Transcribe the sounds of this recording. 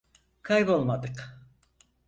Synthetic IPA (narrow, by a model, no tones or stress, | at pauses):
kʰɑjbolˠmɑd̪ɨq